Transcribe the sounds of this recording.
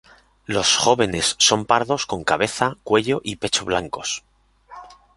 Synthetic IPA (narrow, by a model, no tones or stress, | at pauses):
lo̞sxo̞βe̞ne̞sːo̞mpaɾðo̞sko̞ŋkaβe̞θakwe̞ʎo̞ʔipe̞t͡ʃoβlaŋko̞s